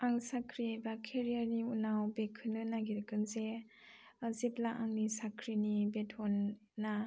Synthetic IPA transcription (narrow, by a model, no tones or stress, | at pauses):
aŋsakʰɾibakʰeɾijaɾniunawbekʰːɯnɯnaɡiɾkɯnze | ziplaʔaŋnisakʰɾinibetʰɔnː | a